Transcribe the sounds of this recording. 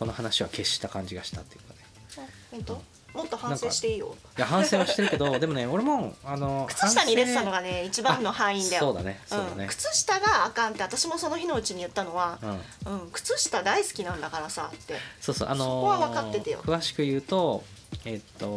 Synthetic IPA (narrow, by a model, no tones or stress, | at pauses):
ko̞no̞hanaɕiβa̰ke̞ɕi̥t̪akãɲ̟d͡ʑiɡaɕi̥t̪at̪ːejɯ̟kːane | õnt̪o | mo̞t̪ːo̞hãnãŋseɕi̥t̪e̞ijo̞̰ | jahãɰ̃se̞ːβaɕt̪eɾɯ̟ke̞d̪o̞d̪e̞mo̞neo̞ɾemõŋano̞kɯ̟̥t͡sɨɕi̥t̪aɲ̟iɾe̞t̪et̪ano̞ɡane̞it͡ɕibãnːo̞hãɰ̃ĩnd̪ajoo̞ːd̪a̰ne̞sɯ̟̃nekɯ̟̥t͡sɨɕi̥t̪aɡaːkãnt̪ːe̞at̪aɕimo̞so̞no̞çino̞ɯ̟t͡ɕiɲ̟ijɯ̟t̪ːano̞βaɯ̟̃ | ɯ̟̃ɴkɯ̟̥t͡sɨɕi̥t̪ad̪aisɨ̥kʲinãnd̪akaɾasat̪ːe̞so̞ːso̞̰ʔano̞oβaβakat̪ːe̞t̪ejo̰kɯ̟βaɕi̥kɯ̟jɯ̟ːt̪o̞et̪ːo